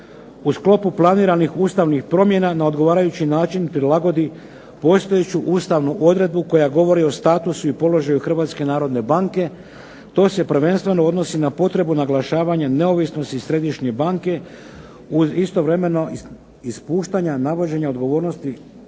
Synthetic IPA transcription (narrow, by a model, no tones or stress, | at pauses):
usklo̞puplˠaniɾanixuːst̪aʋnixpɾo̞mje̞nanao̞d̪ɡo̞ʋaːɾajut͡ɕinaːt͡ʃinpɾilaɡo̞d̪i | po̞st̪o̞jet͡ɕuʔuːst̪aʋnuʔo̞d̪ɾe̞d̪̚buko̞jaɡo̞ʋo̞ɾio̞st̪aːt̪usuipo̞lo̞ʒajuxr̩ʋaːt̪ske̞naːɾo̞d̪ne̞baŋke̞ | t̪o̞ːse̞pr̩ʋe̞nst̪ʋe̞no̞od̪no̞sinapo̞t̪ɾe̞bunaɡlˠaʃaːʋaɲane̞o̞ʋisno̞st̪isɾe̞d̪iʃɲe̞baŋke̞ | uzist̪o̞ʋɾe̞me̞no̞i | ispuːʃt̪aɲanaʋo̞d͡ʑe̞ɲaod̪ɡo̞ʋo̞ːɾno̞st̪i